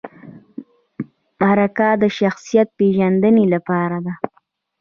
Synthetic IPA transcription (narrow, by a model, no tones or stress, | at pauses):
maɾakad̪əʃaxsijat̪̚peʒand̪ənelapɑɾad̪a